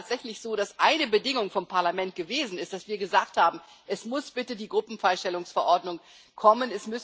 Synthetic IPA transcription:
tz̥ɛçlɪçz̥oːɾasʔaɪnəbədɪŋʊŋfɔmpʰaɐlamɛnt̚ɡ̥əveːzn̩ɪstd̥asv̥iːɐɡəzaːk̚thaːbm̩ | ʔɛsmʊsb̥ɪtədiːɡʁʊpm̩faɪʃtɛlʊŋsfɛɐʔɔɐdnʊŋ | kʰɔmənɛsmʏs

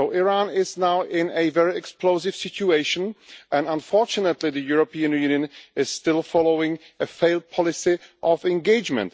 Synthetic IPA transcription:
oʊʔɪɹãnɪznaʊʔɪ̃nɛvɛɹɪɛksploʊsɪv̥sɪt͡ʃueɪʃə̃nʔɛ̃nãnfɔɹt͡ʃʊnətlɪðəjuɹopiːɨ̃njʉnjɨ̃nɪzstɪlˠfɔloʊɪ̃ŋ | əfeɪlˠd̚pʰɑlɪsɪʔɔvɛ̃nɡeɪd͡ʒmɛ̰̃nt

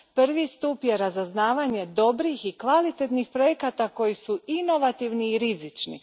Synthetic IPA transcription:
pr̩ʋist̪upjeɾazaznaːʋaɲe̞d̪o̞bɾixikʋalit̪e̞t̪nixpɾo̞jekat̪ako̞jisuino̞ʋat̪iʋniːɾizit͡ʃnḭ

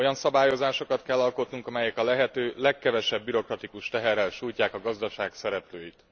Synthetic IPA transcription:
ojɒnsɒbaːjo̞zaːʃo̞kɒt̪kɛlːɒlko̞t̪nuŋkɒmɛjɛkɒlɛɦɛt̪øːlɛkːɛvɛʃɛbːyɾo̞krɒt̪ikuʃt̪ɛɦɛrːɛlʃuːjcaːkɒɡɒzd̪ɒʃaːksɛɾɛpløːjit̪

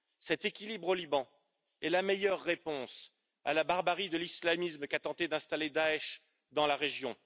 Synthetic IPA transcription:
sɛt̪ekʲilibʁolibɑ̃ | ɛlamejœʁːepɔ̃s | a̰labaʁbaʁid̪əlislamismkat̪ɑ̃t̪ed̪ɛ̃st̪aled̪aɛʃ | d̪ɑ̃laʁeʒjɔ̃

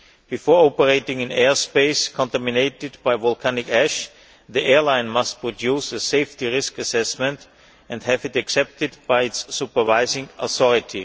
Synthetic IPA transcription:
b̥ɨfɔːɹopəɹeɪtɪ̃ŋɪ̃nɛɹspeɪskʰɔ̃ntæmɪneɪtɪdbaɪvɔlˠkʰænɪkæʃ | ðiʔɛɹlãɪ̃nmast̚pʰɹɔdjusəseɪftiɹɪskɨsɛsmɛ̃nt | ɛ̃ndhævɨtɨksɛp̚tɪd̚baɪɪtsːupə˞vaɪzɪ̃ŋʔɔ̰θɔɹɪtʰi

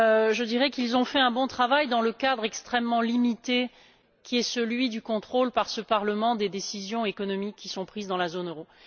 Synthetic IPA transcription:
øʒəd̪iʁɛkilzɔ̃fɛɛ̃bɔ̃t̪χavajd̪ɑ̃ləkad̪ʁɛkst̪χɛmːɑ̃limit̪e | kʲiɛsəlɥid̪ykɔ̃t̪χolpaʁsəpaʁləmɑ̃d̪ed̪esizjɔ̃ekɔnɔmikʰːisɔ̃pχizd̪ɑ̃lazonøʁo

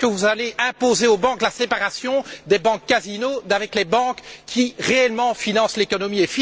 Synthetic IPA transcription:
əvuzaleʔɛ̃pozeobɑ̃k̪lasepaʁasjɔ̃d̪ebɑ̃kːazinod̪avɛklebɑ̃kkʰʲːiʁeɛlmɑ̃finɑ̃slekɔnɔmiefi

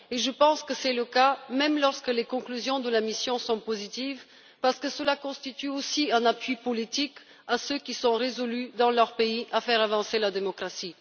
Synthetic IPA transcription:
eʒəpɑ̃skəsɛləkamɛmlɔʁskəlekɔ̃klyzjɔ̃d̪əlamisjɔ̃sɔ̃pozit̪iv | paʁsə̥kəsəlakɔ̃st̪it̪yosiɛ̃napɥipɔlit̪ik | asøkʲisɔ̃ʁezɔlyd̪ɑ̃lœʁpeiʔafɛʁavɑ̃selad̪emɔkʁasi

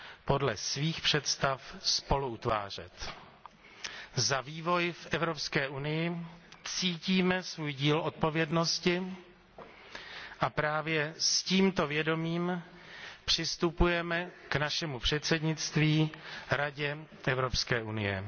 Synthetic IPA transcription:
po̞dlɛ̰sviːxpr̝̥ɛt̪st̪afspo̞luut̪va̰ːr̝ɛ̰t̪ | zaviːvo̞jfʔɛvɾo̞pskɛːʔunɪjɪt͡siːciːmɛsvuːjɟiːlʔo̞t̪̚po̞vjɛdno̞scɪ | ʔapɾaːvjɛsciːmt̪o̞vjɛdo̞miːm | pr̝̥ɪst̪upujɛmɛknaʃɛmupr̥ɛt̪sɛdɲɪt̪t͡st̪viːɾaɟɛ | ʔɛvɾo̞pskɛːʔunɪjɛ̰

